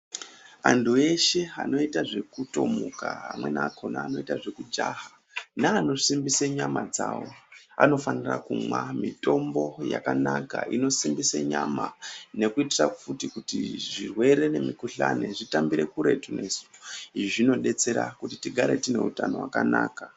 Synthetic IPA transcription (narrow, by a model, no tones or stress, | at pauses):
antʰue̞ʃe̞a̰no̞itaʐe̞kuto̞mukaa̰mwe̞nakʰonaːno̞itaʐe̞kud͡ʒaɦa | naːno̞simbiseɲamad͡zaːwo̞ano̞fanirakumwamito̞mbo̞jakanakaino̞simbiseɲamane̞kuitirafutikutiʐirwe̞ɾe̞ne̞mikuɬane̞ʐitambiɾe̞kuɾe̞tunʔe̞su̥iʐiʐino̞ɗe̞t͡se̞ɾakutitiɡʱaɾe̞tine̞utano̞wakanaːka